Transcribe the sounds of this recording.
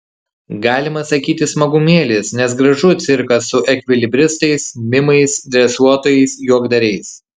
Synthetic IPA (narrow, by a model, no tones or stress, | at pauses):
ɡɑːlʲɪmɐsɐkʲiːt̪ʲɪsmɐɡʊmʲeːlʲeːsnʲɛs̬ɡɾɐʒʊt̪ʲsʲɪɾkɐsʊʔɛkʲʋʲɪlʲɪbʲɾʲɪst̪ɐɪsmʲɪmɐɪsd̪ʲɾʲɛsuɔt̪oːjɛɪsjuɔɡd̪ɐɾʲɛɪs